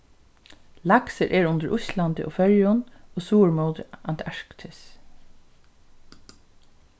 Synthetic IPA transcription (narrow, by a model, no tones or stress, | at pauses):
lɑksəɾʔeːɹʊnd̪əɹʔʊslɑnd̪ɪ̰ʔo̰ːfɛɹjʊnoːsuːɹmoːd̪əɑnt̪ʰæɹkt̪ʰɪs